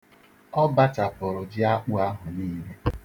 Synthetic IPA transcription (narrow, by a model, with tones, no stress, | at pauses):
ɔ˦ba˦ta˨pʊ˨ɾʊ˨d͡ʒɪ˦a˦k͡pu˦a˦ɦʊ˨niː˦me˦